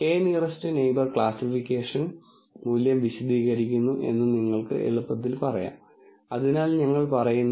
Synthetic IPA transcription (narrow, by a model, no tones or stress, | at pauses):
eːnirɐstɨnejbɐrkɭaːsifikʲːeːʂɐn | muːljɐmʋiɕɐd̪iːɣɐɾikʲːunːuʔe̞̰nːɨniŋːɐɭkɨ̰ʔḛɭupːɐt̪̬ːilpɐrɐja̰ːm | ɐðinaːlɲɐŋːɐɭpɐrɐjunː